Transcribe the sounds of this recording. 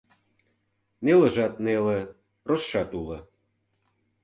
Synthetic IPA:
nelə̆ʒɑt̪̚nelĕ | rosʃɑt̪ulɤ̆

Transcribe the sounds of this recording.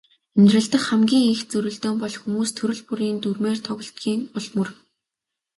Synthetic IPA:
emnʲt̪rə̆ɮt̪ə̆kχæmɡʲiːŋixt͡sɵɾɵ̆ɮt̪oːmpɔɮxumuːst̪ʰɵɾɵ̆ɮpuɾiːnt̪urmeːrt̪ʰɔɣɞ̆ɬt̪ɡiːŋʊɮmɵ̆r

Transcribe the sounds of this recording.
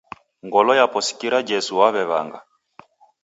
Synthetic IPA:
ŋɡɔlɔjapɔsi̥kiɾad͡ʒɛsuwaβɛβa̰ŋɡa

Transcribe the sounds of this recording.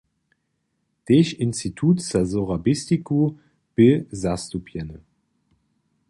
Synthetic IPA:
d̥eçɪnstitʰuːtsazoʁabɪstiku | b̥ɪzastupʰjɛnə

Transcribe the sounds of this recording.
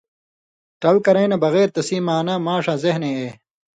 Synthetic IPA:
ʈɐlkɐɾẽːnɐbɐɣeːɾt̪ɐsiːmaːnɐmaːʂɐzehneeː

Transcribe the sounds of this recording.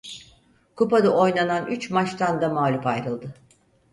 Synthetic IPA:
kupad̪aʔo̞jnananyt͡ʃmat͡ʃt̪ʰand̪amaːlʲupajɾɯlˠd̪ɯ

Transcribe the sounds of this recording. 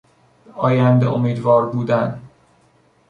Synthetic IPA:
ɒːjænd̪eʔomiːd̪vɒːɾbuːd̪æn

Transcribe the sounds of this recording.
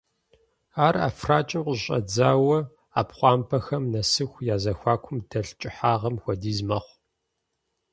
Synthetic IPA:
aːra̰ːfraːt͡ʃʼɪmqʷʼɕʼɐ̰d͡zaːwɐ | a̰ːpχʷɑːmpʰɐxɐmnɐsɨxʷjaːzɐxʷɑːkʷʰʊmd̥ɐɬt͡ʃʼɪħaːʁɐmxʷɐdiːzmɐχʷ

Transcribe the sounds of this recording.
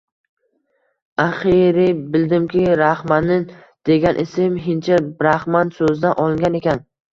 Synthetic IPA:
aχiɾɪbɪld̪ɪmkʲʰɪɾahmanɪ | d̪̥e̞ɡʲanʔɪsɪmɦɪnt͡ʃʰabɾahmansɵzd̪anʔɒlˠɪŋɡʲane̞kʲʰan

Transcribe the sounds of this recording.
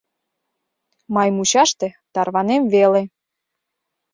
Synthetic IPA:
mɑjmut͡ɕɑʃt̪et̪ɑrβɑnemvele

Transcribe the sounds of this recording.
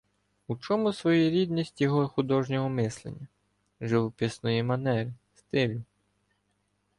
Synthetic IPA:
ut͡ʃɔmʊsʋɔjuɾʲid̪nʲisʲtʲjɔɦɔxʊd̪ɔʒnʲɔɦɔmɪslˠḛnʲːɐ | ʒɪʋɔpʲisnɔjimɐnɛɾʲɪst̪ɪlʲʊ

